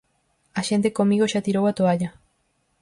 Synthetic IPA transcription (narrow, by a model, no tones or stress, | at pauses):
aʃe̞nt̪ekomiɣoʃat̪iɾowat̪oaʎa